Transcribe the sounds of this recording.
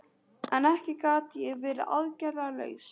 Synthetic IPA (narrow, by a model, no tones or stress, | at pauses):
ɛnɛhcɪkaːt̪jɛɣvɪːɾʏ̰ʔa̰ðcɛɾalœ̰ːɥs